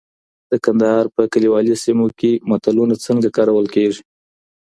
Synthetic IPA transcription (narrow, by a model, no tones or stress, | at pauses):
d̪əkand̪ahɑɾpəkəliwɑlisimokemat̪alunat͡səŋɡakɑɾawəlkeʐi